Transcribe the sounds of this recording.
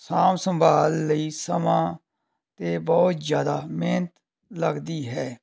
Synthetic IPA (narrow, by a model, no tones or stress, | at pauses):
saːmsə̃mbʱaːlːəiːsəmãː | t̪eːbɔːt̪zjaːd̪aːmeːnət̪ | ləɡd̪iːɦɛː